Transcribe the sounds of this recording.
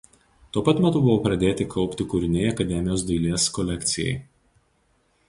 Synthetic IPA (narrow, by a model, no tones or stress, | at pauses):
t̪uɔpɐt̪mʲɛt̪ʊbʊʋoːpɾɐd̪ʲeːt̪ʲɪkʰɒʊpʲt̪ʲɪkʊːɾʲɪnʲejɐkɐd̪ʲɛmʲɪjoːsd̪ɐɪlʲeːskɔlʲɛkʲt̪sʲɪjɛ̰ɪ